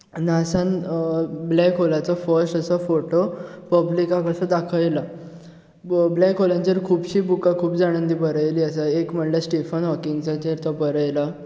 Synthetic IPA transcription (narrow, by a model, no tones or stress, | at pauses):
nasan | blɛkolat͡sɔfəɾsʈəsafoʈopəblikakəsəd̪akʰəjla | blɛkɦolãɲt͡ɕeɾkʰuːbɕiːbukakʰuːbd͡zaɽ̃ənd̪iːbəɾəjliːəsaekm̤əɳlesʈefənɦɔkiŋt͡sat͡ɕeɾt̪ɔbəɾəjla